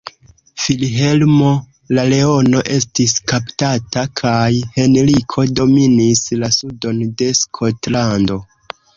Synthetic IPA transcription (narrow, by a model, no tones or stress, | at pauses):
filɦe̞lmo̞ | lale̞o̞no̞ʔe̞stiskaptatakʰajhe̞nɾikʰo̞do̞minislasudo̞nde̞skʰo̞tlando̞